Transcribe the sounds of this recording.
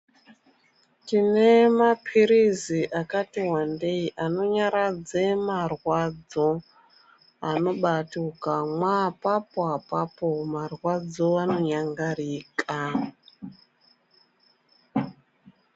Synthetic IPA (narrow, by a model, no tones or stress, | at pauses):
tine̞mapʰiɾiziʔakatiɦwandeiʔano̞ɲaɾad͡zemarwad͡zo | ano̞ɓatukamwapapoɦapapomarwad͡zo̞ano̞ɲaŋɡaɾiːka